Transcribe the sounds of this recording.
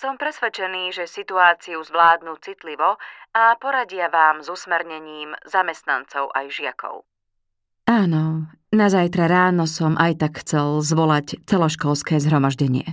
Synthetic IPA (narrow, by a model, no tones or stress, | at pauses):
sɔmpɾɛsʋɛt͡ʃɛniːʒɛsit̪uaːt͡siuzʋlaːd̪nuːt͡sit̪liʋɔapɔɾaɟɪaʋaːmzusmɛɾɲɛɲiːmzamɛst̪na̰nt͡sɔʊʔa̰jʒɪakʰɔ̰ʊ | aːnɔ | nazajt̪ɾaɾaːnɔsɔmʔajt̪akxt͡sɛlzʋɔlact͡sɛlɔʃkɔlskɛːzɦɾɔmaʒɟɛɲɪɛ